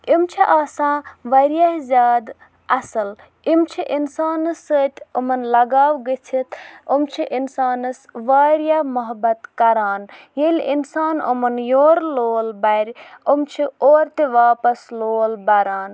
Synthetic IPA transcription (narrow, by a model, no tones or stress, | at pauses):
imt͡ʃʰiʔaːsãːʋɐɾjaɦzʲaːd̪ | ɐsɐl | imt͡ʃʰiʔinsaːnɨsət̪ʲomɐnlɐɡaːʋɡet͡ʃʰit̪omt͡ʃʰiʔinsaːnɐsʋaɾijamɐɦbɐt̪kɐɾaːn | jelʲinsaːno̰mɐnjoːɾloːlbɐjɾʲomt͡ʃʰioːɾt̪eʋaːpɐsloːlbɐɾaːn